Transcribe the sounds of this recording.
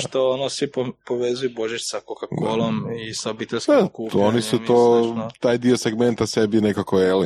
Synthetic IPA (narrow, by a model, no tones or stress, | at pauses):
ʃt̪oonosʋipopoʋezujuboʒit͡ʃsakokakʰolˠomisaobit̪elʲskekuːonisut̪oːt̪aːjd̪iose̞ɡment̪asebinekakojeli